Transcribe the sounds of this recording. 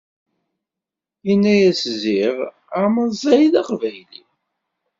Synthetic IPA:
inːæjæsziɾ | aməðzˤæjðɑqvæjli

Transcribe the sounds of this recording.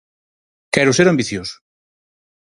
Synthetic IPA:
kɛɾʊseɾambiθjosʊ̥

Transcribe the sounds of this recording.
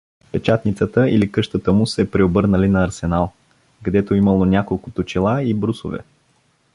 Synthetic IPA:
pɛt͡ʃat̪nit̪sət̪əilikɤʃt̪ət̪əmʊsɛpɾɛobɤɾnəlinɐːɾsɛnalˠ | ɡɐd̪ɛt̪oiməlˠonʲakolˠkʊt̪ot͡ʃilˠaibɾusʊvɛ̰

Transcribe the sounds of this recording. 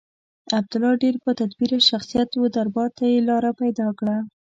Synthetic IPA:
ab̚d̪ʊlɑɖeɾpət̪ad̪biɾaʃaxsijat̪wəd̪aɾbɑt̪ajelɑɾapajd̪ɑkɽa

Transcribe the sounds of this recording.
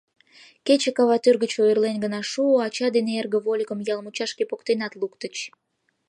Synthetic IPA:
ket͡ɕekɑβɑt̪yrɣət͡ɕoirlenɡənɑʃuoɑt͡ɕɑd̪eneerɣə̆βolʲkə̆mjɑlmut͡ɕɑʃkepokt̪enɑt̪lukt̪ət͡ɕ

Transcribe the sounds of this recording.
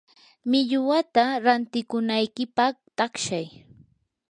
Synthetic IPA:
mɪʎʊwat̪aɾant̪ɪkʊnajkɪpɑχt̪akʃaj

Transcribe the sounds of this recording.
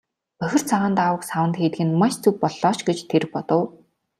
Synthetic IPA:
pœxʲɪ̆r̥t͡sʰaʁaːnt̪awə̆ksawə̆nt̪xeːt̪ɡɘ̆nmaʃt͡sʰɵk̚pɔɮɔːʃɡet͡ɕt̪ʰeɾ̆pɔt̪ə̆w

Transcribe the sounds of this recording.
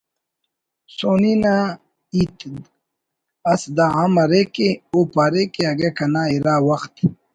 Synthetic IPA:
soːnina | it̪ | ɐsd̪aɦamɐɾekeopaɾekeɐɡekɐnaiɾaːwɐxt̪

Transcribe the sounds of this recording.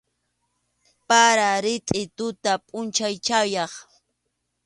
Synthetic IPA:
paɾaɾɪt̪ʼɪt̪ʊt̪apʼʊnt͡ʃajt͡ʃajɑχ

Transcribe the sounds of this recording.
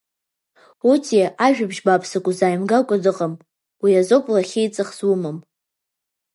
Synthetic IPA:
utʰiʔaʒᶣabʒbapʰsakʷʼuzaːjmɡakʷʼadɨqʼam | wiazopʼlaχʲejt͡sʼɨχz̥wumɨm

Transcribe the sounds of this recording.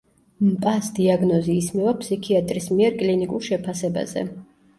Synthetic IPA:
mpʼasd̪iaɡnɔziːsmivapʰsikʰiat̪ʼɾismiɛɾkʼlinikʼuɾˠʃɛpʰasɛba̰zɛ̰

